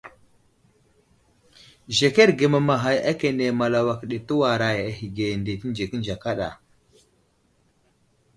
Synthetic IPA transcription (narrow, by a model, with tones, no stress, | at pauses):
ʒe˨ke˦ɾɡe˨ma˨ma˨ɦa˨jʔa˦ke˨ne˨ma˨la˨wa˨kɗe˨tə˦wa˨ɾa˨ja˨ɦi˨ɡe˨nde˨ti˦n˦d͡ʒe˨ki˦nd͡ʒa˨ka˦ɗa̰˨